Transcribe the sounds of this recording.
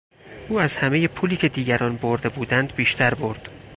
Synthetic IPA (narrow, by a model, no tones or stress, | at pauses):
ʔuːæzhæmeje̞pʰuːliːcʰe̞d̪iːɟæɾɒːnboɾd̪e̞buːd̪ænd̪biːʃt̪ʰæɾbo̞ɾd̪̥